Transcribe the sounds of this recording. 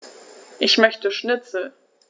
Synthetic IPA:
ʔɪçmœçtəʃnɪt͡sl̩

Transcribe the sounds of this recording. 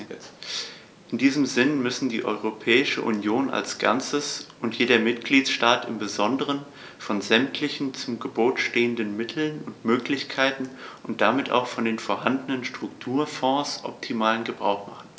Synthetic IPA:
ʔɪndiːzəmzɪnmʏsn̩dḭːʔɔ̰ʏʁ̞opʰɛːɪʃə̰ʔṵnjoːnʔa̰lsɡ̥a̰nt͡səsʔʊntjeːɾɐmɪtɡ̥liːtʃtaːtɪmbəzɔndəʁən | fɔnzɛmtʰlɪçn̩t͡sʊmɡəboːtʃteːəndənmɪtʰl̩nʊntmøːklɪçkʰaɪtn̩ʔʊnt̚d̥amɪtʔa̰ʊxfɔndeːnfoːɐhandənənʃtʁ̥ʊktʰuːɐfɔ̃ːsʔɔ̰p̚tʰimaːlənɡəbʁa̰ʊxmaχn̩

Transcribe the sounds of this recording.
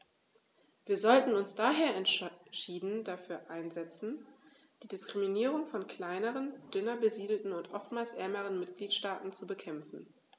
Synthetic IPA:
viːɐzɔltn̩ʊnsd̥aːɦeːɐɛntʃiːdn̩d̥afyːɐʔaɪnzɛt͡sn̩ | d̥iːdɪskʁ̥iminiːʁʊŋfɔnkʰl̥aɪnəʁənd̥ʏnɐbəziːdl̩tn̩ʊntʔɔftmaːlsʔɛːməʁ̞ənmɪtɡ̥liːtʃtaːtn̩t͡subəkʰɛmfn̩

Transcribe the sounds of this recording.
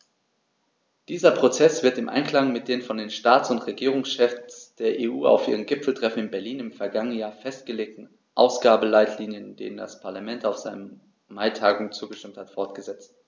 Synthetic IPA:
d̥iːzɐpʁ̥ot͡sɛsv̥ɪɐtɪmʔa̰ɪnkl̥aŋmɪt̚d̥eːnfɔndeːnʃtaːtsʊntʁeɡiːʁ̞ʊŋsʃɛfsd̥eːɐʔeːʔuːa̰ʊfʔḭːʁ̞ənɡɪpfl̩tʁ̥ɛfn̩ɪnbɛɐliːnɪmfɛɐɡaŋənənjaːɐfɛstɡ̥əleːk̚tn̩ | ʔaʊsɡ̥aːbəlaɪtʰliːnjəndḛːnənda̰spʰaɐlamɛntaʊfz̥aɪnə | maɪtʰaːɡŋ̩t͡suːɡəʃtɪmthatfɔɐtɡ̥əzɛt͡st

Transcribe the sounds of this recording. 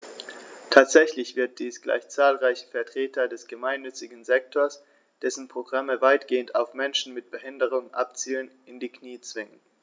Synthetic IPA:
tʰaːtz̥ɛçlɪçv̥ɪɐt̚d̥iːsɡ̥la̰ɪçt͡saːlʁaɪçə̥fɛɐtʁ̥eːtʰɐdɛsɡ̥əmaɪnːʏt͡sɪɡŋ̩zɛk̚tʰoɐs | d̥ɛsn̩pʁ̥oɡʁaməvaɪtɡ̥eːəntaʊfmɛnʃn̩mɪt̚b̥əhɪndəʁ̞ʊŋʔa̰pt͡siːlən | ɪndiːkniːt͡sv̥ɪŋən

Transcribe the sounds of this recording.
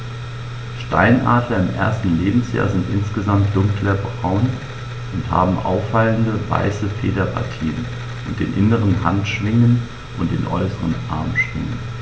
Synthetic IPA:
ʃtaɪnʔaːdlɐɪmʔḛːɐstn̩leːbm̩sja̰ːɐzɪntʔɪnsɡ̥əzamt̚d̥ʊŋklɐbʁaʊn | ʔʊntha̰ːbm̩ʔa̰ʊfːaləndəva̰ɪsəfeːdɐpʰa̰ɐtʰiːən | ʔʊnt̚d̥ḛːnʔɪnəʁənɦantʃv̥ɪŋən | ʔʊntd̥ḛːnʔɔʏsəʁənʔa̰ɐmʃv̥ɪ̰ŋə̰n

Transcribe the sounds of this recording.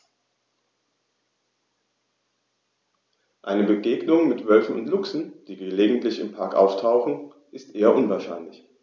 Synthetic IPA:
ʔaɪnəbəɡeːɡnʊŋmɪtv̥œlfn̩ʊ̰ntlʊksn̩d̥iːɡəleːɡŋ̩tlɪçɪmpʰaɐkʔa̰ʊftʰaʊxn̩ | ʔɪstʔeːɐʔʊnvaːɐʃaɪnlɪç

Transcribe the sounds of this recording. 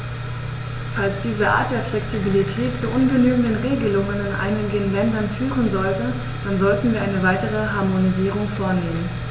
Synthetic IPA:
falsd̥iːzəʔa̰ːt̚d̥eːɐflɛksibilitʰɛːtt͡suʔʊnɡənyːɡŋ̩dənʁeːɡəlʊŋənɪnʔa̰ɪnɪɡənlɛndɐnfyːʁənzɔltə | d̥anzɔltn̩viːɐʔaɪnəvaɪtəʁ̞əɦaɐmoniziːʁ̞ʊŋfoːɐneːmən

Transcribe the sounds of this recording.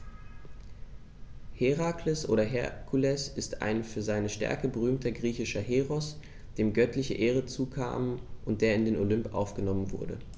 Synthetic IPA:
heʁaːklɪsʔo̰ːɾɐɦɛ̰kʰulɛsɪsta̰ɪnfyːɐzaɪnəʃtɛ̰ɐkəbəʁyːmtɐɡʁiːçɪʃɐɦeːʁɔs | d̥eːmɡœtʰlɪçəʔeːʁ̞ət͡suːkʰa̰ːmənʔʊnt̚d̥eːɐɪndeːnolʏmpʔa̰ʊfɡ̥ənɔmənvʊɐdə̰

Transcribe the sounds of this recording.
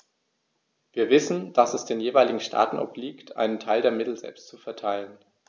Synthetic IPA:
v̥iːɐvɪsn̩d̥asɛsd̥eːnjeːvaɪlɪɡŋ̩ʃtʰa̰ːtn̩ʔɔ̰pliːktʰʔa̰ɪnəntʰaɪldeːɐmɪtl̩zɛ̰lpstt͡sufɛɐtʰaɪlən

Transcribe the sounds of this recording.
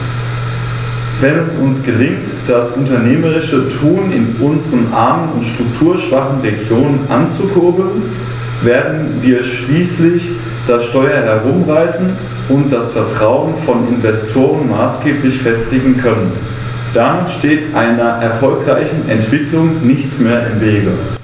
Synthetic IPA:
vɛnɛsʊnsɡ̥əlɪŋt | d̥asʔʊntɐneːməʁɪʃətʰuːnɪ̰nʔʊnzəʁənʔa̰ːɐmənʊntʃtʁ̥ʊktʰuːɐʃv̥aχn̩ʁeɡjoːnənʔant͡sukʰʊɐbl̩n | veːɐdn̩viːɐʃliːslɪç | d̥asʃtɔʏɐɦɛɐʁʊmʁaɪzn̩ | ʔʊnt̚d̥asfɛɐtʁ̥aʊənfɔnɪnvɛstʰoːʁənmaːsɡ̥eːplɪçfɛstɪɡŋ̩kʰœnən | d̥amɪtʃteːtʔaɪnɐʔɛɐfɔlkʁ̥a̰ɪçn̩ɛntv̥ɪklʊŋnɪçt͡smeːɐʔɪ̰mveːɡə

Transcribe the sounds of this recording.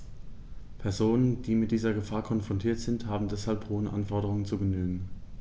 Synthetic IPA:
pʰɛɐzoːnənd̥iːmɪt̚d̥iːzɐɡəfaːɐkʰɔnfʁ̥ɔntʰiːɐtz̥ɪnthaːbm̩dɛshalphoːənʔa̰nfɔɐɾəʁʊŋənt͡suːɡənyːɡŋ̩

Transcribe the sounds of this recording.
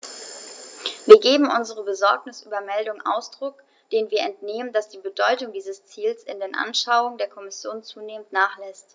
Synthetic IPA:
viːɐɡeːbm̩ʔʊnzəʁ̞əbəzɔɐknɪsʔyːbɐmɛldʊŋʔa̰ʊsd̥ʁʊk | d̥eːnviːɐʔɛntneːməndasd̥iːbədɔʏtʊŋdiːzəst͡siːlsɪndeːnʔa̰nʃaʊʊŋədeːɐkʰɔmɪsjoːnt͡suːneːməntnaːχlɛst

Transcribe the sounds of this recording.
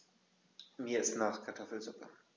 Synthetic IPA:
miːɐɪstnaχkʰaɐtʰɔfl̩zʊpɐ̰

